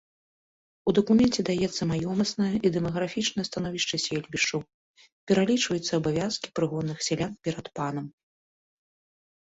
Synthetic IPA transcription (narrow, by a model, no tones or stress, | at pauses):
ud̪ɐkumʲɛnt͡sʲɛd̪ajɛt̪sːɐmajɔmɐsnɐjɐʔid̪ɛmɐɣɾafʲit͡ʂnɐjɐst̪anɔvʲiʂt͡ʂɐsʲɛlʲbʲiʂt͡ʂɐw | pʲɛɾalʲit͡ʂvɐjut̪sːɐːbavʲaskʲi̥pɾɨɣɔd̪nːɨxsʲɛlʲanpʲɛɾɐt̪panɐm